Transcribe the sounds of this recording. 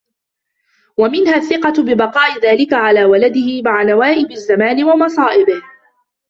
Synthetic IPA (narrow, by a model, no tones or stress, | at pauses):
wamɪnhaːθːɪqɑbɪbɑqɑːʔɪðaːlɪkaʕalaːwalad̪ɪhɪmaʕanawaːʔɪbazːamaːnɪwɑmɑsˤɑːʔɪbɪh